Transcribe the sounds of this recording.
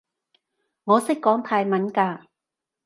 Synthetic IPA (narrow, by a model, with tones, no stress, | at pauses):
ŋɔː˨˧sɪ˥kːɔː˨˥ŋt̪ʰaː˧jmɐ˨˥nkaː˧